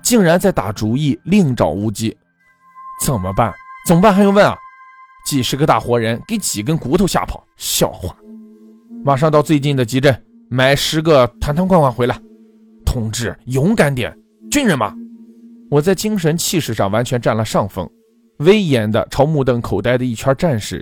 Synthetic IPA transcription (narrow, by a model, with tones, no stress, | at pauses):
t͡ɕi˥˩ŋɻa˧˥nt͡sa˥˩ɪt̪a̰˨˩ʈ͡ʂu˧˥i˥˩li˥˩ŋʈ͡ʂɑ̰˨˩ʊu˥˩t͡ɕi˥ | t͡sə˨˩nmə̰˦pa̰˥˩nt͡sə˨˩mə˧pa˥˩xjwə˥˩nɐ̰˩ | t͡ɕi˨˩ʂɻ̩˧˥ɡə˧t̪a̰˥˩xwɔ˧˥ɻə˧˥nke˧˥ɪt͡ɕi˨˩k̬ə˥nku˧˥t̪ʰɕja̰˥˩pʰɑ˨˩˦ʊɕjɑ̰˥˧ʊxwa˥˩n | ma˨˩ʂɑ˥˧ŋt̪ɑ˥˧ʊt͡swe˥˧ɪt͡ɕi˥˩nd̪ə˩t͡ɕi˧˥ʈ͡ʂə˥˩n | ma˧˩ɪʂɻ̩˧˥ɡə˧t̪ʰa˧˥nt̪ʰa˥ŋkwnwa˥˩nxwe˧˥ɪla˧ɪ | t̪ʰʊ˨˩ŋʈ͡ʂɻ̩˥˩jʊ˧˥ŋka˧˥nt̪jɛ̰˨˩n | t͡ɕy˥nɻə˧˥nmɐ̰˨˩ | wɔ˨˩t͡sa˥˩ɪt͡ɕi˥ŋʂ̬ə˧˥nt͡ɕʰi˥˧ʂɻ̩˥˧ʂɑ̰˥˩ŋwa˧˥nt͡ɕʰɥɛ˧˥nʈ͡ʂa˥˩nlə˩ʂɑ˥˩ŋfɤ̰˥ŋ | we˥ɪjɛ˧˥nd̪ə̰˧ʈ͡ʂʰɑ˧˥ʊmu˥˧t̪ə˥˩ŋkʰo˨˩ʊt̪a˥˧ɪd̪ə˩i˥˩t͡ɕʰwa˞˥ʈ͡ʂa˥˧nʂɻ̩˥˩